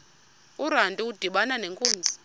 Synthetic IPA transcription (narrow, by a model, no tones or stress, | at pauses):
uɾantʼiud̥ʱiɓananeŋkʼoːnd͡zi̥